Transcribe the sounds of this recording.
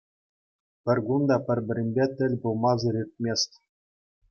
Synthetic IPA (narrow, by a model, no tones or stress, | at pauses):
pʲɘ̆rʲɡund̪ɑpʲɘ̆rʲbʲɘ̆ɾʲɘ̆nʲbʲet̪ʲɘ̆lʲbulˠmɑzɤ̆ɾʲirʲt̪̚ʲmʲesʲtʲ